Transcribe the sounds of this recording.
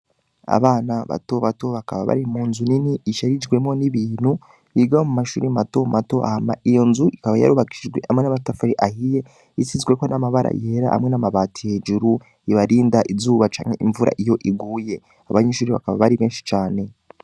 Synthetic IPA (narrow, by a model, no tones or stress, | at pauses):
a̰βaːnaβa̰to̞βato̞βakaβaβa̰ɾimuːnzuniniʔːʃaɾid͡ʒɡwe̞mo̞niβiːn̥hu | jiɡahomumaʃuːɾimato̞mʔato̞ʔa̰hama̰ʔijo̞nzuʔikaβaja̰ɾuβaɡiʃid͡ʒɡwe̞hamŋenaβatafaɾiʔahije̞ | it͡sizɡwe̞ko̞namaβaɾʔa̰jeɾa̰ʔha̰mŋe̞namaβaːtʰihed͡ʒuɾu | iβaɾiːndaʔizuːβat͡ʃa̰ːŋhe̞̰ʔiɱvuɾʔa̰ʔijo̞ʔiɡuːje̞ | aβaɲeʃuːɾiβa̰kaβaβaɾiβe̞ːnʃi̥t͡ʃaːne̞